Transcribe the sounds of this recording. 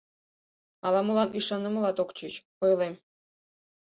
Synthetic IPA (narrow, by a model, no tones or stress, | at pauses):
ɑlˠɑmulˠɑniʂɑnɤ̆mɤlˠɑt̪okt͡ɕit͡ɕkojlˠem